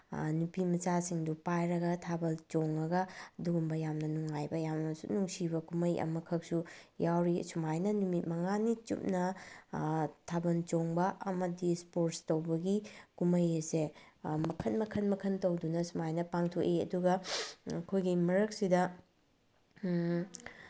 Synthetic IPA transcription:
nupimɐt͡ʃasiŋdupajɾɐɡɐtʰabɐlt͡ʃoŋɐɡɐduɡumbɐjamnɐnuŋːajbɐjamnɐsṵnuŋsibɐkumɐjɐ̰mɐkʰɐk̚sujawɾisumajnɐnumit̚mɐŋanit͡ʃṵp̚nɐ | tʰabɐnt͡ʃoŋbɐʔɐmɐdispoɾtstɐwbɐɡikumɐjɐsemɐkʰɐnmɐkʰɐnmɐkʰɐntɐwdunɐsumajnɐpaŋtʰokeɐ̰duɡɐkʰojɡimɐɾɐk̚sidɐ

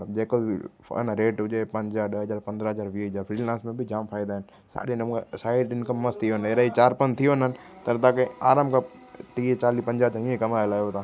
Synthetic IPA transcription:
ləbd͡ʑeːko̰ | nɾeːʈʊd͡ʒepɐ̃ɲd͡ʑaːɾɗəɦəzaːɾpɐ̃nd̪ɾaɦəzaːɾʋiːzaːɾfɾiːlãːnsmẽbɪd͡ʑaːmfʰaːɪd̪aːɪnɪ | sa̰ːɗenɐmũːksaːɪɖɪnkəmːəst̪ʰijoɦneɾaːit͡ɕaːɾpənt̪ʰijoɦnənɪ̆ | t̪ɐɾt̪aːkẽaːɾãːmkɐp | t̪iːt͡ɕaːliːpɐ̃ɲd͡ʑaːt͡ɕãĩẽkɐmaːelaːjot̪aː

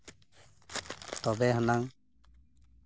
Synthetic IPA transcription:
t̪ɔbɛɦanaŋ

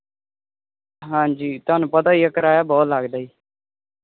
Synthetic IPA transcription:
ɦãːd͡ʒiːt̪ʊaːnũːpəd̪aːiːəkəɾaːjaːbɔːt̪laːɡd̪aːiː

